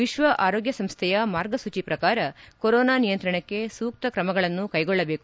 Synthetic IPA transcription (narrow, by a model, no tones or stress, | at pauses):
ʋiʃʋɐʔaːɾoːɡjɐsɐmst̪ʰɛjɐmaːɾɡɐsut͡ʃipɾɐkaːɾɐkoɾɔːnaːnijɐnt̪ɾɐɳɐkːe̞suːk̚t̪ɐkɾɐmɐɡɐɭɐnːukɐjɡɔɭːɐbe̞ːku